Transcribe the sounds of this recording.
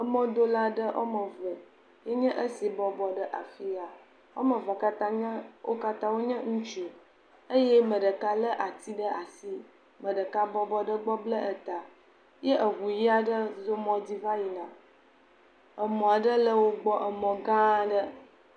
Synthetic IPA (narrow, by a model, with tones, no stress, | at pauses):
ə˨mɔ̃˦d̪o˦la˦ɖə˦ʔo̰˦mə˨və˨ | jɛ˦ɲɛ̃˦ʔə˦si˨bɔ˦bɔ˨ɖə˦ʔa˨fi˦a˨ | wo̰˦mə̃˨va˨ka˦t̪ã˦ɲɛ̃˦wʔo̰˦ka˦t̪ã˦wo˦ɲɛ̃˦ŋũ˦t͡ʃu˨ | ə˦jɛ˦mə̃˨ɖə˨ka˦lə˦ʔa˨t̪i˦ɖə˦ʔa˨si˦ | mə̃˨ɖə˨ka˦bɔ˦bɔ˦ɖə˦ɡ͡bɔ˦blə˦ʔə˨t̪a˨ | je˦ʔə˨ɣu˨ji˦a˦ɖə˦zo˦mɔ̃˦di˦va˦ji˨nã˨ | ə˨mɔ̃˨a˨ɖə˦lə˦wo˦ɡ͡bɔ˦ʔə˨mɔ̃˨ɡã˦ɖə˦